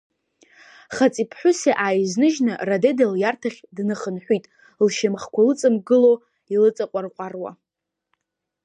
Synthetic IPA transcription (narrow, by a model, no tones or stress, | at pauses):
χat͡sʼipʰħʷʊseʔaːjznɨʒnɨradedaljartʰaχʲdnɨχənħʷitʼ | lʃamχkʷʰalɨt͡sʼɨmɡɨlo | ilɨt͡sʼaqʷʼarqʷʼarwa̰